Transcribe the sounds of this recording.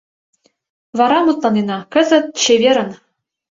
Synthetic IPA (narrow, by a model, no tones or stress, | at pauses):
vɑɾɑmut̪lˠɑnenɑkɤ̆zɘ̆t̪̚ɕevʲeɾɘ̆n